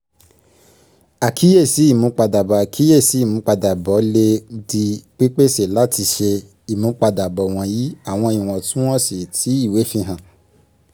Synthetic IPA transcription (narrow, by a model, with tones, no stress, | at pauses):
a˨kʰi˦je˦˨si˨˦i˦˨mũ˨˦k͡pa˧da˨bɔ˨a˨kʰi˦je˦˨si˨˦i˦˨mũ˨˧˦k͡pa˧da˨bɔ˨˦le˧di˧k͡pi˦k͡pe˦se˨la˦ti˧ʃe˧ | i˨mũ˨˦k͡pa˧da˨bɔ˨w̃ɔ̃˧ji˨˦a˦˨w̃ɔ̃˧i˨w̃ɔ̃˨tũ˦w̃ɔ̃˦si˦˨tʰi˨˦i˦˨we˨˦fĩ˧ɦã˨